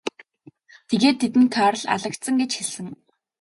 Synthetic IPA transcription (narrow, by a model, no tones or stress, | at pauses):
t̪ʰeɣeːt̪ʰːet̪ɘ̆nt̪ʰœːɾə̆ɮa̰ɮə̆kt̪sə̆ŋɡet͡ɕxeɮɘ̆ŋ